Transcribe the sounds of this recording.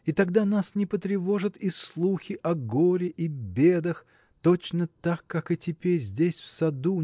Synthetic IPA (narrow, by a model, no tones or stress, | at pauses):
it̪ɐɡd̪anasnʲɪpət̪ɾʲɪvo̞ʐɨt̪islˠuxʲɪʔɐɡoɾʲɪʔibʲe̞d̪əx | t̪ot͡ɕnət̪akːakɨtʲɪpʲeɾʲzʲdʲesʲfsɐd̪u